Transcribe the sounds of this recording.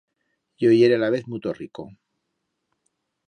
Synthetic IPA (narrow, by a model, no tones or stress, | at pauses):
jojeɾelaβeθmut̪oriko̰